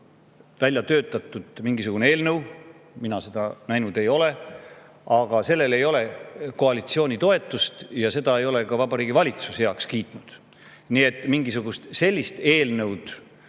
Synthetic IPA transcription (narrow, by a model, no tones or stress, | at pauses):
vælʲjɑt̪ø̞ːt̪ːˑɑt̪ːˑud̪̥miŋɡ̥isuɡuneeːlnɤw | minɑse̞d̪̥ɑnæjnud̪e̞jo̞le̞ | ɑɡ̥ɑse̞lːe̞le̞jo̞le̞ko̞ɑlit̪sio̞ːnʲit̪o̞e̞t̪ːˑust̪jɑse̞d̪̥ɑe̞jo̞le̞kɑvɑbɑɾiːɡ̥ivɑlʲit̪sushjeɑkskiːt̪ˑnud̪̥ | nie̞t̪ːˑmiŋɡisuɡ̥ust̪se̞lʲːist̪e̞ːlnɤwd̪̥